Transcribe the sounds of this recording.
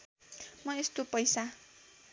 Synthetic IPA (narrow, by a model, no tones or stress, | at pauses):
mʌest̪opʌjsa